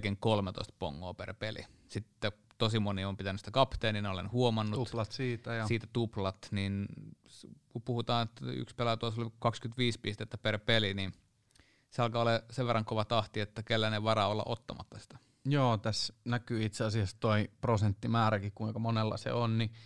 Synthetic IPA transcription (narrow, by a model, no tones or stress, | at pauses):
keŋkolmet̪o̰ist̪po̰ŋːo̰ːpḛrpelḭsit̪ːe | t̪osimoniompit̪ænysit̪ækɑpt̪eːnninolenhuomɑnːulɑt̪siːt̪æjɑsiːt̪æt̪uplɑt̪ninskupuhut̪ɑːnet̪ːæ̰y̰kspelɑt̪oisolikɑkskyt̪ʋiːspist̪eːt̪ːæperpelinin | seɑlkɑoleseʋʋerːˑɑŋkoʋɑt̪ɑht̪iet̪ːækelːæneʋɑrɑolːɑ̰ʔot̪ːɑmɑ̰t̪ːɑ̥si̥t̪æ̥ | joːt̪æsnækyːit̪seɑsiɑst̪oiprosent̪ːimæːɾækikuikɑmonelːɑ̰sḛonni